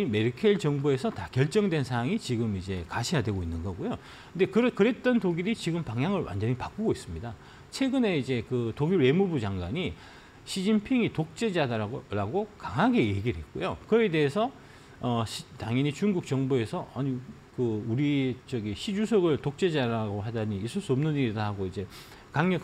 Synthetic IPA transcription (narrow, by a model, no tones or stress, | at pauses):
ime̞ɾikʰeɭt͡ɕʌŋbue̞sʰʌtakjʌɭt͡ɕ͈ʌŋdwe̞nsʰaɦaŋit͡ɕiɡɯmid͡ʑe̞kaɕʰejadwe̞ɡoinːɯnɡʌɡujo | kɯnde̞kɯɾkɯɾe̞t̚t͈ʌntoɡiɾit͡ɕiɡɯmpaŋɦjaŋɯɭwa̰nd͡ʑʌɲipak͈uɡois͈ɯmɲida | t͡ɕʰe̞ɡɯne̞id͡ʑe̞kɯtoɡiɾwe̞mubud͡ʑaŋɡwaɲi | ɕʰid͡ʑinpʰiŋitok̚t͡ɕ͈e̞d͡ʑadaɾaɡokaŋɦaɡe̞je̞ɡiɾɯɭɦe̞t̚k͈ojokɯede̞esʰʌ | ʌɕtaŋjʌɲit͡ɕuŋɡuk̚t͡ɕ͈ʌŋbue̞sʰʌʌɲi | kɯuɾit͡ɕʌɡiɕʰid͡ʑusʰʌɡɯɭtok̚t͡ɕ͈e̞d͡ʑaɾaɡoɦadaɲiːsʰuɭs͈uʌmnɯniɾdahaɡoid͡ʑe̞ | kaŋɲʌk